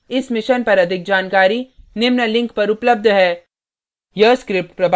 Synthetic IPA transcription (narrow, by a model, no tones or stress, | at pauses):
ɪsmɪʃənpɐɾɐd̪ʱɪk̚d͡ʒaːnkaːɾinɪmnəlɪ̃ŋkpɐɾʊpləb̚d̪ʱɦɛː | jəskɾɪp̚ʈ̚pɾɐb